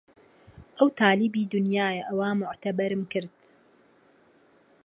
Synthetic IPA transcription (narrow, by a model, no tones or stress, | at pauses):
ʔɐwt̪ʰaːlɪbiːd̪ʊnjaːjɐʔɐwaːmʊʕt̪ɐbɐɾɨmkɨɾd̪̥